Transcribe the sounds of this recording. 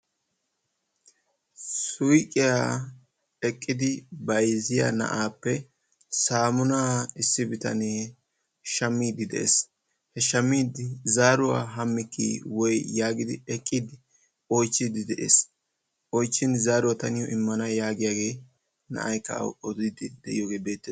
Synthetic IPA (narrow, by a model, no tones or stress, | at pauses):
sʊjkʼɪja | ɛkʼːɪd̪ɪbɐjzɪja̰nɐ̰ʔaːpːɛ | saːmʊnaːɪsːɪbɪt̪ɐ̰neː | ʃɐmːiːd̪ɪd̪ɛ̰ʔḛs | hɛʃɐmːiːd̪zaːɾʊwa̰ːɦɐmːɪkːḭwɔjjaːɡɪd̪ɪ̰ɛkʼːɪd̪ɪ | ɔjt͡ʃːɪd̪ɪd̪ɛʔḛːs | ɔjt͡ʃːɪnzaːɾʊwat̪ɐnɪjɔʔɪmːɐnɐjaːɡɪjaːɡe̞ː | nɐ̰ʔɐjkɐ̰wɔd̪ɪd̪ɪd̪ɛʔɪ̰joːɡe̞ːbeːt̪ːe